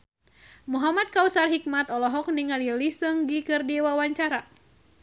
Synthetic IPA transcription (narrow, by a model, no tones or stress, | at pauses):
muɦamat̪̚kausarɦik̚mat̪ɔlɔɦɔk̚niŋalilisɨŋɡikɨrdiwawaɲt͡ʃaɾa